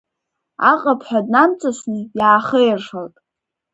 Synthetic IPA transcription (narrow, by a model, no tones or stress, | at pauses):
a̰qʼapʰħʷᶣadnamt͡sʼasnijaːχəjɪrʂaltʼ